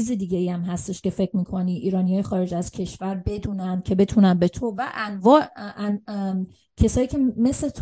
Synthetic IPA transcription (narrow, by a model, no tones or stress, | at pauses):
iːzed̪iːɟe̞iæmɦæst̪e̞ʃcʲe̞fe̞kcʰɾmiːkʰo̞niːʔiːɾɒːnijɒːjexɒːɾe̞d͡ʒæz̥cʲʰe̞ʃvæɾbe̞d̪uːnænd̪̥̚cʲʰe̞be̞t̪ʰuːnænbe̞t̪ʰovæʔænvɒːʔn | cʰe̞sɒːjiːcʰe̞me̞slet̪ʰ